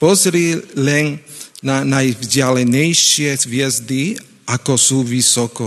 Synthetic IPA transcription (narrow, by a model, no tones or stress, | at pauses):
pɔzɾilɛnnanajvɟɪalɛɲɛjʃɪɛzʋjɛzd̪i | ʔakɔsuːʋisɔkɔ